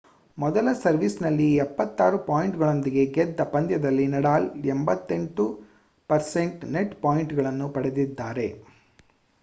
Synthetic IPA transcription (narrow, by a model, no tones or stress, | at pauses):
mɔðɐlɐsɐɾʋisnɐlːiɛpːɐt̪ːaːɾɯpaːjɪɳʈɣɐɭɐnd̪ɪjeɡɛt̪̚d̪ɐpːɐnd̪jɐðɐlːinɐɽaːlɛmbɐt̪ːɛɳʈu | pɐɾsɛɳʈnɛʈpaːjɪɳʈɯɣɐɭɐnːɯpɐɽɐðɪd̪ːaːɾeː